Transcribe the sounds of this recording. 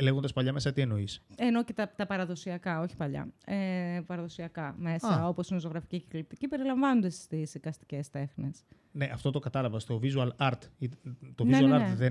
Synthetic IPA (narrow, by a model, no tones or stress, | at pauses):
le̞ɣond̪ɐspɐʎɐme̞sɐt̪ie̞no̞iseno̞cet̪ɐt̪ɐpɐɾɐðo̞siɐkɐo̞çi̥pɐʎɐ̰epɐɾɐðo̞siɐkɐme̞sɐo̞po̞sinoso̞ɣɾɐficiciklip̚t̪icipe̞ɾilɐɱvɐnond̪esst̪isðikɐst̪i̥ce̞st̪e̞xne̞s | ne̞ʔɐft̪o̞t̪okɐt̪ɐlɐvɐst̪o̞vizuɐlɐɾt̪it̪oizuɐlɐɾðe